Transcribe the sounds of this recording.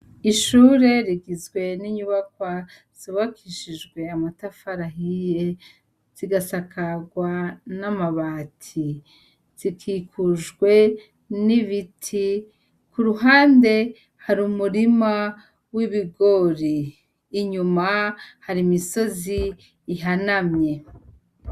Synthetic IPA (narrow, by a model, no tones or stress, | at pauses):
iʃuːɾe̞ɾiɡizɡwe̞niɲuβakwa | z̥uβakʰiʃid͡ʒɡwe̞amatafaɾaɦije | z̥iɡasakʰaɡwanamaβaːtʰi | z̥ikʰiːkʰuʒɡwe̞ | niβitʰi | kuɾuɦaːnde̞ | haɾumuɾima | wiβiɡo̞ɾiː | ɲumahaɾimiso̞ziː | ɦanamɲe̞